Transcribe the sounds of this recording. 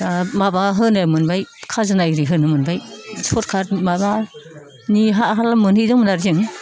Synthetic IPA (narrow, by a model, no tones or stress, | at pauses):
amabaɦɯnɯmɯnbajkʰazɯnajɾiɦɯnɯmɯnbajsʰɔt̚kʰatmaba | niɦaɦalamɯnhɯzɯŋmɯnaɾzɯŋ